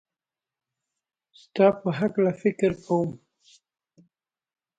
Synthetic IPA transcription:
st̪ɑpəɦaklafɪkɪɾkawəm

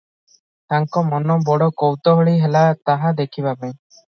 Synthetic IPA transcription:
ʈaŋkɔmɔnɔbɔɽɔkɔwt̪ɔɦəɭiɦɛlat̪aɦad̪ekʰibabɛɲ

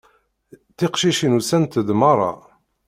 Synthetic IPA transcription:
t̪iqʃiʃinusænt̪əd̪mɑɾˤɑ̰

